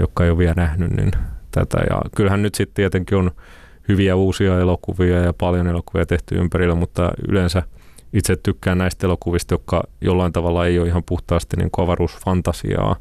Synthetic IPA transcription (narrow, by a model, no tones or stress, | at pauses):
jo̰kːɑeijoʋiælnæhnynnḭnt̪æ̰t̪æ̰jɑ̰kylhænnyt̪sit̪t̪iɛt̪eŋkion | hyʋiæuːsiɑelokuʋiɑjɑpɑljonelokuʋiɑt̪eht̪y̰y̰mpærilːæmut̪ːɑ̰y̰lensæit̪set̪t̪ykːæːnnæist̪elokuʋist̪jokːɑ̰jolːɑint̪ɑʋɑlːɑeioihɑmpuht̪ɑːst̪inḭːŋkuɑʋɑruːsfɑnt̪ɑsḭɑ̰ː